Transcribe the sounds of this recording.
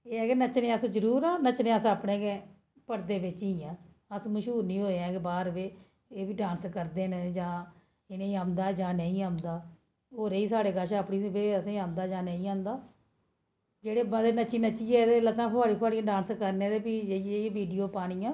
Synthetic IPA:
eːɛːkenət͡ʃnẽːəsd͡ʒəɾuːɾãːnət͡ʃnẽːəsaːpɳẽːɡeː | pəɾd̪eːʋɪt͡ʃiːãː | əsməʃɦuːɾnĩːoːeãːkebaːɾʋeː | eːbiːɖãːnskəɾd̪eːnd͡ʒãː | ɪneːiːaːmd̪aːd͡ʒãːnəĩːaːmd̪aː | ɦoːɾeːiːsaːɽeːɡəʃaːpɳiːbeːəsẽːãːnd̪aːd͡ʒãːnəĩːãːnd̪aː | d͡ʒeːɽeːbəd̪eːnət͡ʃiːnət͡ʃiːɛːd̪eːlət̪ãːpʰaːɾiːpʰaːɽiãːɖãːnskəɾneːɾeːpiːd͡ʒeːeiãːʋiːɖijoːpaːɽ̃iːãː

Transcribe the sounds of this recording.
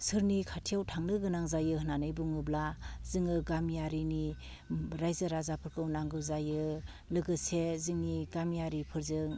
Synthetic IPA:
sɯɾnikʰatʰijawtʰaŋnɯɡɯnaŋzajɯhɯnanɯjbuŋɯblazɯŋɯɡamjaɾini | ɾajzɯɾazapʰɯɾkʰɯwnaŋɡɯwzajɯ | lɯɡɯsezɯŋniɡamjaɾipʰɯɾzɯŋ

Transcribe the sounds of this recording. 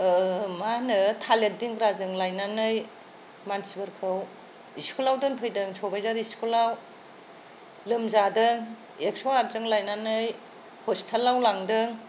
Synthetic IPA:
manɯtʰalet̚diŋɡɾazɯŋlajnanɯj | mansibɯɾkʰɯw | iskʰulawdɯnpʰɯjdɯŋsɔbajzaɾiskʰulaw | lɯmzadɯŋ | eksɔaɾzɯŋlajnanɯj | hʰɔstʰalːawlaŋdɯŋ

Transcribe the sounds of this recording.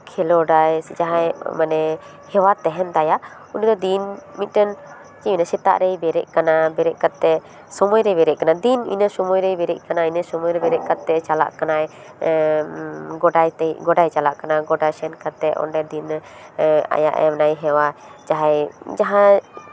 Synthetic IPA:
kʰɛlɔɖajd͡ʒaɦajmanɛ | hɛwat̪ɛɦɛnd̪ajaʔ | unid̪ɔd̪inmit̪̚ˀɾən | t͡ʃiinasɛt̪a̰ʔɾɛjbɛɾɛ̰ʔ̚kanabɛɾɛʔkat̪ːɛ | sɔmɔjɾɛjbɛɾɛʔ̚kanad̪inḭnəsɔmɔjɾəjbɛɾɛʔkanainəsɔmɔjɾɛbɛɾɛʔ̚kat̪ːɛt͡ʃala̰ʔkanaj | ɡɔɖajt̪ɛɡɔɖajt͡ʃalaʔkanaɡɔɖajsɛnkat̪ːɛɔ̰nɖɛd̪in | a̰ja̰ʔɛ̰mnajɦɛwad͡ʒaɦajd͡ʒaɦã

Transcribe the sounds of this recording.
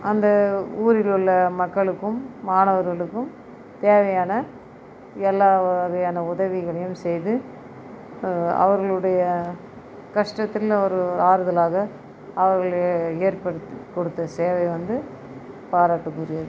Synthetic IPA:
ɐnd̪ɐuːɾɪlʊɭːɐmɐkːɐɭɯkːɯmːaːnɐʋɐɾɣɐɭɯkːɯm | t̪eːʋɐjaːnɐ | ɛlːaːʋɐjaːnɐʊðɐʋɪɣɐɭɐjɯmsɛjðɯ | ɐ̰ʋɐɾɣɐɭɯɽɐjɐ | kɐʂʈɐt̪ːɪlɔɾɯɾaːɾɯðɐlaːɣɐ | ɐʋɐɾɣɐɭeːɾpɐɽɯt̪ːkɔɽɯt̪ːɐseːʋɐɪʋɐnd̪ɯ | paːɾaːʈːɯkːɔɾɪjɐðɯ

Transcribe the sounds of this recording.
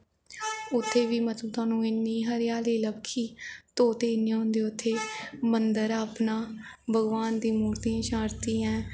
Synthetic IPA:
ʊt̪ʰːeːʋiːmət̪əbt̪aːnũːɪnːiːɦəɾɪjaːliːləkʰːiːt̪oːt̪eːɪnːãːɦʊ̃nd̪eːʊt̪ʰːeːmənd̪əɾaːpnãː | bʱəɡʋaːnd̪iːmuːɾt̪ijãːʃãːɾt̪iːɛ̃ː

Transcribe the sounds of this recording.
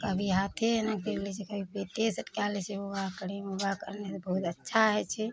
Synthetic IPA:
kəbʱiɦat̪ʰenãk̚ʈeklɛt͡ʃʰɛkəbʱipet̪esəʈkjalɛt͡ʃʰɛoɡakəɾemobakə̰ɾnesbəɦut̪ətːʃʰaɦɛt͡ʃʰɛ

